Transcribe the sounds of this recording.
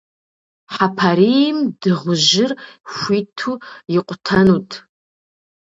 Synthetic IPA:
ħapʰaɾimdɨʁʷʊʒɪrʃʷitʰuiqʷʼtʰanutʼ

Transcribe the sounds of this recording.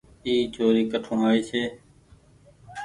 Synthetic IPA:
iːd͡ʒoːɾiːkəʈʰõːɦaːiːseː

